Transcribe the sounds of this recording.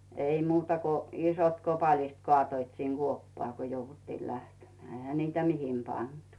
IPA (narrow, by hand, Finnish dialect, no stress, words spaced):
ei muːtɑ ko isot kopɑlːist kŏɑˑtoit siŋ ɡ̊uopːɑː ko jouʋutːiː læhtemĕæˑ ehæ niːtæ mihem pɑntu